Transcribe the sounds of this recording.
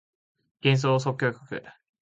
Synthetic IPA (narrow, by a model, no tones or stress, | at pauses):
ɡ̥ẽñs̬oːs̬okʲːo̞ːkʲokɯ̟̰